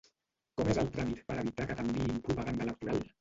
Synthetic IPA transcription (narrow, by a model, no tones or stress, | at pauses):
kɔmezəlˠt̪ɾamit̪pəɾəβit̪akət̪əmbiimpɾupəɣand̪ələk̚t̪uɾal